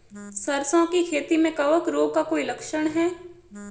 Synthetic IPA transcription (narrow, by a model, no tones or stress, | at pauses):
sɐɾsõkikʰeːt̪imẽkɐʋəkɾoːb̚kakoːilɐkʃəɽ̃ɦɛː